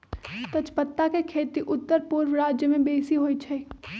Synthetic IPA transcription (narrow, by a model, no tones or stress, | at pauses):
t̪ɐt͡ʃpət̪ːakekʰeːt̪iʔʊt̪ːəɾpʊɾʋɾaːd͡ʒjəmẽbeːsiɦoːit͡ʃʰɛː